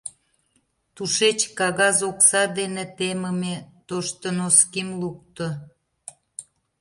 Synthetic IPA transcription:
t̪uʃet͡ɕkɑɣɑzoksɑd̪enet̪eməmet̪oʃt̪ənoskimluk̚t̪o

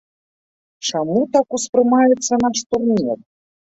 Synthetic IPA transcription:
t͡ʂamut̪akuspɾɨmajɛt̪sːɐnaʂt̪urnʲɛr

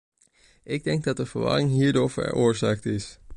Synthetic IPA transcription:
ʔɪɡ̚dɛŋɡ̚dɑt̚dəvəɹʋɑ̰ɾɪŋɦiːɹdoːɹvə̰ɹoːɹzaːk̚tɪs

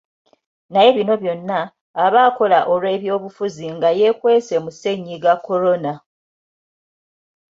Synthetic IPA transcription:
naje̞βino̞βjo̞nːaː | βaːko̞laʔo̞lwe̞ːβjo̞ːβufuziŋɡaje̞kwe̞ːse̞muse̞ɲːiɡakːo̞ɾo̞na

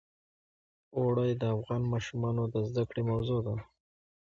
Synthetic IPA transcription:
oɽajd̪əafɣɑnmɑʃumɑnod̪əzd̪akɽemawzod̪a

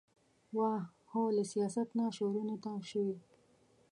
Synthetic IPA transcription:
wa | holəsijɑsat̪naʃoɾunot̪aʃəwi

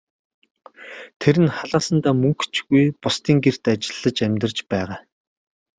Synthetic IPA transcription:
t̪ʰeɾɘ̆nχaɮaːsə̆nt̪aːmɵŋkt͡ɕɣujpʊst̪iːŋɡer̥t̪at͡ɕɪ̥̆ɮːə̆t͡ɕæmʲt̪ə̆t͡ɕpæːʁaː

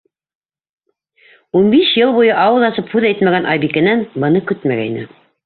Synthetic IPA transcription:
unbiʃjɤlˠβujɤʔɑwɤðˠɑsɤphʉðæjt̪mæɡænʔɑjbikænænbɤ̆nɤkɵt̪mæɡæinɘ̰

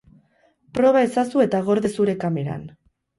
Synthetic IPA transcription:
pɾo̞β̞ae̞sasue̞t̪aɣ̞o̞ɾðesuɾe̞kame̞ɾa̰n

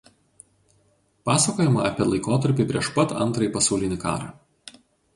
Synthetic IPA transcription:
pɑːsɐkoːjɪmɐɐpʲiɛlˠɐɪkoːt̪ɐɾʲpʲɪˑpʲɾʲiɛʃpɐt̪ɐ̰nt̪ɾɐjpɐsɐʊlʲɪnʲɪkɑ̰ːɾɑ̰

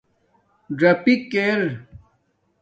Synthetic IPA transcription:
ɖɾɐpikːeɾ

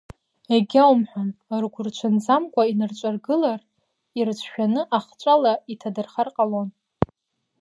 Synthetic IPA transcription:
eɡʲawmħʷᶣanrɡʷʊrt͡ʃʷʰand͡zamkʷʼainɨrt͡ʃʷʼarɡɨlar | irt͡ʃʷʰʃᶣanɨʔaχt͡ʃʷʼalaitʰadɨrχarqʼalon

